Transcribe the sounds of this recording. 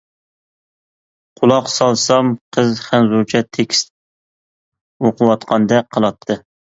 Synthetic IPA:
qʰʊlˠɑqsɑlˠsɑmqʰəzχænzuɾt͡ʃʰɛt̪ʰːekʲʰi̥st̪ | oqəwɑt̪qʰɑnd̪ɛqʰəlˠɑt̪ʰːɨ

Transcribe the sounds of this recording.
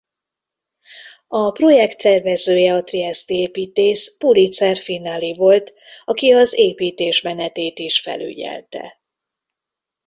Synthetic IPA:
ɒpro̞jɛkt̪ːɛrvɛzøːjɛɒt̪riɛst̪ieːpiːt̪eːʃpulit̪sɛrfinːalivo̞lt̪ | ɒkiɒzeːpiːt̪eːʃmɛnɛt̪eːt̪iʃfɛ̰ly̰ɟɛ̰lt̪ɛ̰

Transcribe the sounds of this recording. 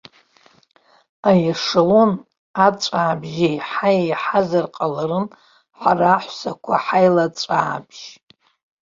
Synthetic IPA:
ajaʂɨlon | at͡sʷʼaːbʒejħajejħazarqʼalaɾɨn | ħaraːħʷsakʷʰaħajlat͡sʷʼaːbʒ̥

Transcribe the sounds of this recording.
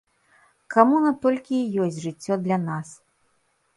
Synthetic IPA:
kamunɐt̪ɔlʲkʲijɔsʲtʲʐɨt͡sʲːɔd̪lʲɐnas

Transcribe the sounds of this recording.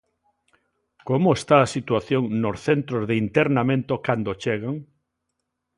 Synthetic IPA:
komoest̪aasit̪waθjoŋnosθent̪ɾozðeint̪eɾnamẽnt̪okand̪ot͡ʃeɣaŋ

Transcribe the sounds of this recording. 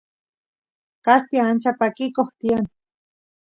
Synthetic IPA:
kast̪iant͡ʃapakikoht̪ian

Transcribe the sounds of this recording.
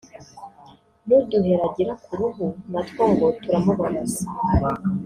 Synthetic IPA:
nuduɦeɾaɟiɾakuɾuɦumatkoːŋɡotuɾamuβamaza

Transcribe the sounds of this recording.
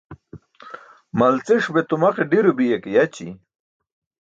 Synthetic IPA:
mɐlt͡seʂbet̪umaqeɖiɾubijekejat͡ɕḭ

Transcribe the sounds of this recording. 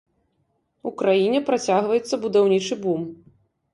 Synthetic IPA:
ukɾajinʲɛpɾat͡sʲaɣvɐjɛt̪sːɐbud̪awnʲit͡ʂɨbum

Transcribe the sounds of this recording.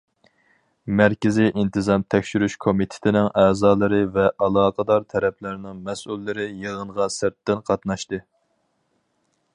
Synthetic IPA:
mæɾkʲɪziʔint̪ʰɨzɑmt̪ʰɛkʲʃyɾyʃkʰomit̪ʰɪ̥t̪ʰɪnɪŋʔæːzɑːlˠɨɾɨvɛʔɑlˠɑːqʰəd̪ɑɾt̪ʰɛɾɛpʰlɪɾɪnɪŋmɛsʔulːɪɾɪjeʁənʁɑsɪɾt̪ʰːɪnqʰɑt̪nɑʃt̪ɨ

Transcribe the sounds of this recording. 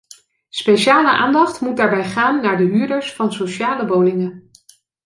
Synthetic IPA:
spejʃaːləʔa̰ːndɑχtmut̚daːɹbɛjχaːnːaːɹdəɦyːɹdəɹsfɑnsoʃaːləbowlɪŋə

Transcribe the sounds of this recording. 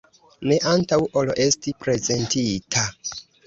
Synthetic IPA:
ne̞ʔantawʔolo̞ʔe̞stipɾe̞ze̞ntitʰa

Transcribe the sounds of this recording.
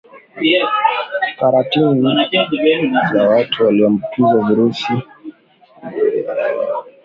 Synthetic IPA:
faɾatini | zawatʰuwaliɔm̩pizaviɾusi

